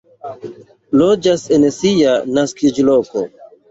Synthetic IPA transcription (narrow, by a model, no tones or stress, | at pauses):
lod͡ʒasensianaskid͡ʒloko̰